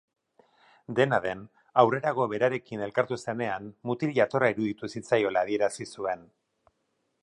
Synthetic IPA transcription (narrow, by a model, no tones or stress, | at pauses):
d̪e̞naðe̞n | awre̞ɾaɣ̞o̞βe̞ɾaɾe̞kine̞lkaɾt̪use̞ne̞anmut̪iliat̪o̞raiɾuðit̪usit͡sajo̞laːð̞ie̞ɾasisue̞n